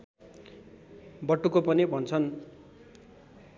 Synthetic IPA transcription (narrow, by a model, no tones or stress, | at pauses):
bʌʈːukopʌnibʱʌnt͡sʰʌn